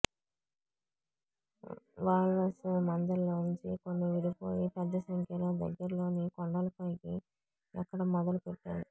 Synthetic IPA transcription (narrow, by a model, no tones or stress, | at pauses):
ʋaːɭːɐsmɐnd̪ɐlːoːɲt͡ʃikonːiʋiɽipoːjipɛd̪ːɐsɐŋkːɐɾloːd̪ɐ̰ɡːɐɾɐlo̞ːnikɔɳɖɐlɐpoːjɡi | ɛkːɐɽɐmɔd̪ɐlupeʈːaːɾu